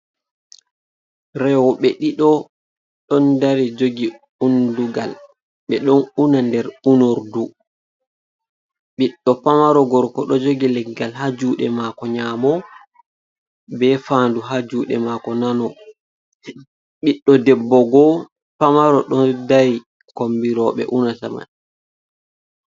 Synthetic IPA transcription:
ɾɛwɔɓɛɗiɗɔ | ɗɔndaɾid͡ʒoɡi | unduɡal | ɓɛɗɔnunandɛɾunoɾdu | ɓiɗːɔpamaɾɔɡɔɾkɔɗɔd͡ʒoɡilɛɡːalhad͡ʒuːɗɛ̰makɔɲamɔ | bɛfaːnduɦad͡ʒuːɗɛ̰makɔnanɔ | ɓiɗːɔdɛbːɔɡɔ | pamaɾɔɗɔndaji | kombiɾɔɓɛ̰ʔunasa̰ma̰ɗ

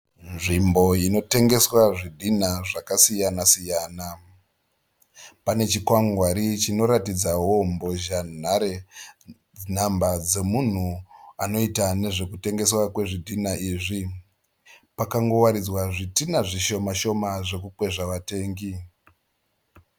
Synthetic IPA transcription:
nʐimbo̞ino̞te̞ŋɡe̞swaʐidʱin̤aʐakasijanasijaːna | pane̞t͡ʃikwaŋɡwaɾit͡ʃino̞ɾatid͡zawo̞mbo̞ʒan̤aɾe̞ | n̤ambad͡ze̞mun̤uano̞itane̞ʐe̞kute̞ŋɡe̞swakwe̞ʐidʱinaʔiʐi | pakaŋɡo̞waɾid͡zwaʐitinaʐiʃo̞maʃo̞maʐe̞kukwe̞ʐaʋate̞ːŋɡi

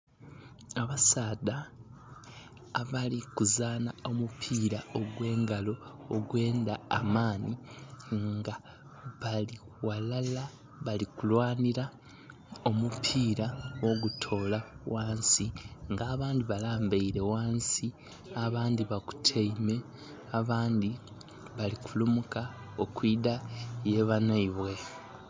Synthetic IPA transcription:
aβasaːda | βalikuzaːnao̞mupʰiːɾaoɡwe̞ːŋɡalo̞ːɡwe̞ːndaːmaːniŋɡa | βali | walala | βalikulwaːniɾa | o̞mupʰiːɾawo̞ɡutʰo̞ːlawʔaːnsiŋɡaːβaːndiβalaːmbeiɾe̞waːnsi | aβaːndiβaku̥tʰeime̞ | aβaːnd̪i | βalikʰulumuka | okwiːdaje̞βanaiβwe̞

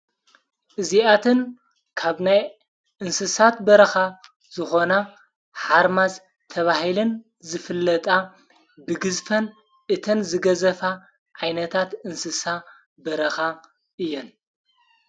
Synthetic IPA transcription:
ʔɨziʔat̪ʰɨn | kʰaβnaj | ʔɨnsɨsat̪bɐɾɐxa | z̥ɨxo̞na | ħaɾmaz | t̪ʰɐβahilɨn | zɨfɨlːɐt̪ʼa | bɨɡɨzfɐn | ʔɨt̪ʰɐnzɨɡɐzɐfa | ʕajnɐt̪ʰat̪ɨnsɨsa | bɐɾɐxa | ʔɨjːɛn

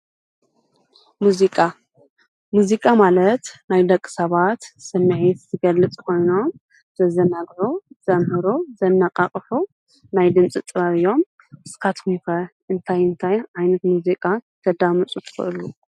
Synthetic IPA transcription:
muzikʼa | muzikʼamalɐt̪najd̪ɐkʼːɨ̥sɐβat̪sɨmːɨʕit̪zɨɡɐlːɨt͡sʼkʰo̞jno̞m | z̥ɐzɐnabʕuz̥ɐmhɨɾuzɐnːaqʼaχʼħu | najd̪ɨmt͡sʼɨt̪ʼɨβaβɨjːo̞m | ɨskʰat̪kʰumkɐʔɨnt̪ʰajɨnt̪ʰajʕajnɐt̪muzikʼat̪ʰɐd̪amɨt͡sʼut̪ʰɨ̥xɨ̰ʔɨlu

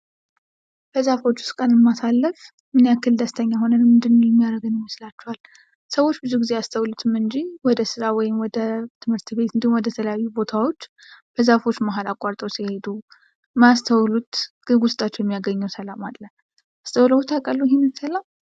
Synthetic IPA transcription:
b̥əzafo̞t͡ʃːu̥st̪kʼənɨmːasalːəf | mɨnjakːɨld̪ast̪ʰəɲːaɦo̞nənmːɨnd̪ɨnːojɛmːijaɾəɡɨnjɪməslat͡ʃːɛhal | səwo̞t͡ʃːbɨzuɡizeast̪ʰəwlut̪ʰɨmɨnd͡ʒiwɔd̪əsɨɾawɔjɪmwɔd̪ət̪ʰɨmhɨɾt̪βe̞t̪ɨnd̪ihumwɔd̪ət̪ʰələjajːubo̞t̪ʰawo̞t͡ʃː | b̥əzafo̞t͡ʃːmaɦalakʼːaɾt̪ʼəwsihe̞d̪u | mast̪ʰəwlut̪ɡɨɡʊst̪ʼat͡ʃːɛwjɛmːijaɡəɲːɛwsəlamalːə | ast̪ʰəwləwut̪ʰakʼəlːujɦenɨnsəlam

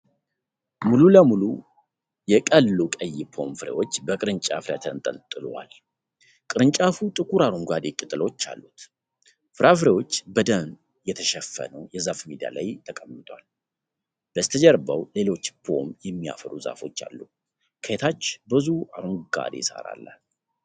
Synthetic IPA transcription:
mululəmulu | jɛkʼəlːukʼəjːɪpʰo̞̰mfɨɾḛwo̞t͡ʃːbəkʼɨɾɨɲt͡ʃʼafɨɾja̰t̪ʰənt̪ʼəlt̪ʼɨlwa̰l | kʼɨɾɨɲt͡ʃʼafut̪ʼɨkʰuɾaɾuŋɡad̪ekʼɨt̪ʼːɨlo̞t͡ʃːa̰lːut̪ | fɨɾafɾewot͡ʃːbəd̪ən | jɛt̪ʰəʃɛfːə̰nəwjɛzafmid̪ia̰la̰jt̪ʰəkʼəmːɨt̪ʰʼwal | b̥əst̪ʰəd͡ʒɛɾbəwle̞lo̞t͡ʃːpʰo̞̰mjɛmːia̰fəɾuza̰fo̞t͡ʃːa̰lːu | kʰəjet̪ʰat͡ʃːbɨzuaɾuŋɡɡa̰d̪esa̰ɾa̰lːa̰

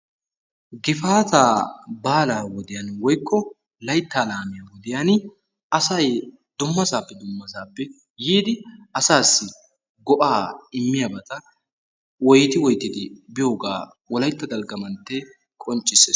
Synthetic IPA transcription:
ɡɪfaːt̪aːbaːlaːwɔd̪ɪjɐnwɔjkʰːɔ | lɐjt̪ːaːlaːmɪjɐwɔd̪ɪjɐn | ɐsɐj | d̪ʊmːɐsaːpːɛd̪ʊmːɐsaːpːɛ | jiːd̪ɪɐsaːsːɪ | ɡɔʔaːɪmːɪjɐbɐt̪ɐ | wɔjt̪ɪwɔjt̪ːɪd̪ɪbɪjoːɡa̰ː | wɔlɐjt̪ːɐd̪ɐlɡɐmɐnt̪ːɛ | kʼɔnt͡ʃʼːɪseː

